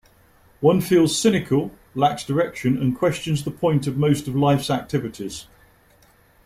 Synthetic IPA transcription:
wʌ̃nfiːlˠz̥sɪnɪkʰəlˠ | laksd̥əɹɛkʃə̃nə̃nkʰw̥ɛst͡ʃə̃nzðəpʰɔ̃ɪ̃ntəvməʊstəvlaɪfsak̚tʰɪvɪtʰɪz̥

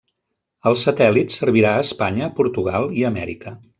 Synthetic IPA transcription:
əlˠsət̪ɛlit̪səɾβiɾaəːspaɲəpuɾt̪uɣalˠiəmɛɾikə

